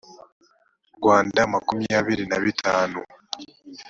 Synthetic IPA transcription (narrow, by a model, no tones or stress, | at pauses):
ɾɡwaːndamakumiaβiɾinaβitʰaːnu